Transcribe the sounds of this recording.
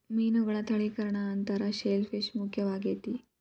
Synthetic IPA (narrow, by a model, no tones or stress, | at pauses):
miːnuɡəɭat̪ʰəɭikəɾɳaːnt̪əɾaɕelfeɕmukʰjəʋaɡet̪i